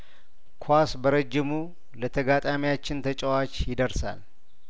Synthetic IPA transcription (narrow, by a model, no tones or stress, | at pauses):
kʰwasbəɾəd͡ʒːɪmu | lət̪ʰəɡat̪ʼamijat͡ʃːɪnt̪ʰət͡ʃʼəwat͡ʃjɪd̪əɾsa̰l